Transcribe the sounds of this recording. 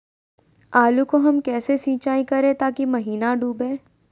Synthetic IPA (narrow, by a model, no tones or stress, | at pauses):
aːlukoɦɐmkɛːsesĩːt͡ʃaːĩkɐɾẽt̪aːkimɐɦiːnaɖuːbẽː